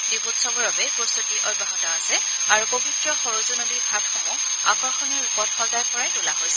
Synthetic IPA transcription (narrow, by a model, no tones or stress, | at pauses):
dibutsɔbɔɹɔbɛposotiʔɔbʱaɦɔtɔasɛ | aɹupobʱitɹɔxɔɹozunodibʰʱatʰɔmɔ̃ | a̰kɔɹxɔniɹupɔtʰxɔldajpɔɹajtulaɦojsɛ